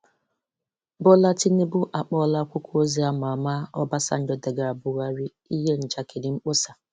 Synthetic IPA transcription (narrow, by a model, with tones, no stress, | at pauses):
bɔ˦la˦ti˦ni˦bʊ˦ʔa˨k͡pɔ˦la˦kʷʊ˦kʷu˦o˦zi˦a˦ma˨a˨ma˦ɔ˦ba˦sa̰˦n̩˦d͡ʒɔ˦de˨ɡa˨a˨bʊ˨ɣa˦ɾi˦ | i˦ɦe˦n̩˨t͡ʃa˨ke˨di˨ŋ͡m̩˦k͡po˦sa˨